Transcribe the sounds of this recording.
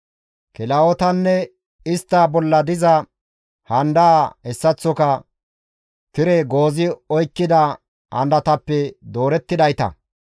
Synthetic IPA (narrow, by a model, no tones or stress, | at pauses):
kɪlɐɔt̪ɐnːɛ | ɪst̪ːaːbɔlːɐd̪ɪzɐ | hɐnd̪ɐːhɛsːɐt͡sːɔkɐ | kɪɾɛɡo̞ːzɪɔjkːɪd̪ɐ | hɐ̰nd̪ɐt̪ɐpːɛd̪o̞ːɾɛt̪ːɪd̪ɐjt̪ɐ̰